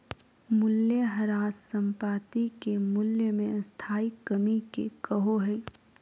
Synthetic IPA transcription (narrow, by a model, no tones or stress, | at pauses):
mʊljəɦɐɾaːssə̃mpaːt̪ikemʊljəmẽst̪ʰaːikːəmikḛkɐɦoɦɛː